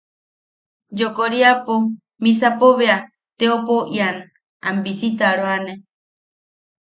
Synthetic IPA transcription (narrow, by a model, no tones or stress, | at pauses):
d͡ʒokoɾiapo | mis̬apoβea | t̪eopoʔian | ambisit̪aɾoane